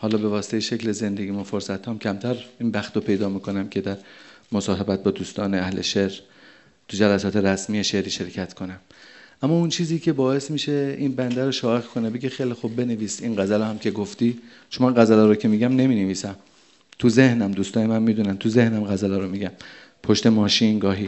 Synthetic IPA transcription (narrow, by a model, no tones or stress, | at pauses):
hɒːlɒːbe̞vɒːse̥t̪ejeʃecleze̞nd̪e̞ɡɟiːmofoɾsæt̪ʰhɒmcʰæmt̪ʰæɾiːnbæxt̪opʰe̞jd̪ɒːmiːkʰo̞næmcʲʰe̞d̪æɾmosɒːɦebæt̪̚bɒːd̪uːst̪ɒːneæhleʃeɾ | t̪ʰud͡ʒælæsɒːt̪ʰe̞ɾæsmiːeʃe̞ɾiːʃe̞ɾcʰæt̪kʰonæmʔæmːɒːunt͡ʃʰiːziːcʰe̞bɒːe̞smiːʃe̞inbænd̪æɾoʃɒːeɣkʰonebe̞ɡexejlixub̚ːe̞neviːsinɡæzælohæmcʰe̞ɡoft̪iː | ʃomæɢæzælɒːɾocʰe̞miːɟæmne̞miːneviːsæm | t̪ʰuze̞hnæmd̪uːst̪ɒːnemænmiːd̪uːnænt̪ʰuzehnæmɡæzælɒːɾomiɟæm | pʰo̞ʃt̪emɒːʃinɡɒːɦiː